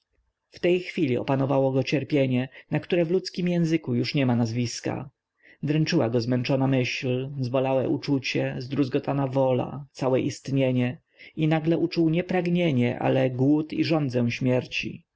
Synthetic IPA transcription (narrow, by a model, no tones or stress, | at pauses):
ft̪ɛjxfʲilʲiɔ̰panɔvawɔɡɔt͡ɕɛɾpʲjeɲɛnakt̪uɾɛvlut̪skʲimjɛ̃w̃zɘkujuʂɲɛmanazvʲiska̰ | d̪ɾɛnt͡ʂɘwaɡɔzmɛnt͡ʂɔnamɘɕlzbɔlawɛ̰ʔut͡ʂut͡ɕɛzd̪ɾuzɡɔt̪ʰanavɔla̰t̪sawɛʔist̪ɲeɲɛ | inaɡlɛʔut͡ʂuwɲɛpɾaɡɲeɲɛʔa̰lɛɡwut̪iʐɔnd̪zɛw̃ɕmʲjɛɾt͡ɕḭ